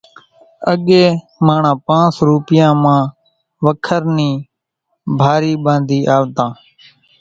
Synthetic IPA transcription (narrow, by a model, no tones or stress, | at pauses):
ə̰ɠeː | mãːɳãːpãːnsɾuːpɪjãːmãː | ʋəkʰəɾniː | bʱaːɾiːɓãːnd̪ʱiːʔaːʋt̪ãː